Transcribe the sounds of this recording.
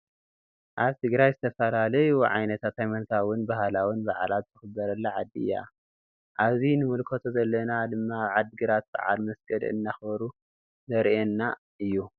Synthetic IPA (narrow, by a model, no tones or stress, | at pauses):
ʔaβt̪ʰɨɡɾajzɨt̪ʰɐfɐlalɐjuʕa̰jnɐt̪ʰat̪ajmɐnk̪ʰawʊnbahlawʊnbaʕalat̪̚zɨxɨbːɐɾɐlːaʕad̪ːiɨ̰ja̰ | ʔaβzinɨmɨlkʰot̪ʰozɐlːɐnad̪ɨmːaːβʕad̪ɨɡɨɾat̪̚b̥a̰ʕa̰lmɐsɡɐl̰ɨ̰nːaxbɐɾu | zɐɾʔenːa | ɨjːu